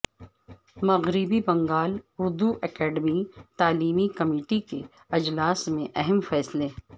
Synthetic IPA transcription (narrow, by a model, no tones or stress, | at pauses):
mɐɣɾɪbibɐ̃ŋɡaːlʊɾd̪uʔɛkɛːɖmit̪aːliːmikɐmiːʈike | ɐd͡ʒlaːsmẽʔɛɦɛmfɛːsle